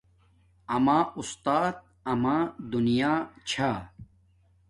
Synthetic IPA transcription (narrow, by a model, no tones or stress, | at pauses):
ɐmaːust̪aːt̪̚ | ɐmaːd̪unijaːt͡ɕʰaː